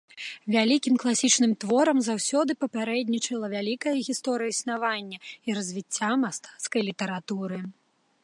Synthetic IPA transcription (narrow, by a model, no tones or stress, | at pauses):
vʲalʲikʲimklˠasʲit͡ʂnɨmt̪vɔɾɐmzawsʲɔd̪ɨpɐpʲaɾɛd̪ʲnʲit͡ʂɐlˠɐvʲalʲikɐjɐɣʲist̪ɔɾɨjɐisn̪avanʲːɐiɾɐzʲvʲit͡sʲːamast̪ḁt̪skɐjlʲit̪ɐɾat̪uɾɨ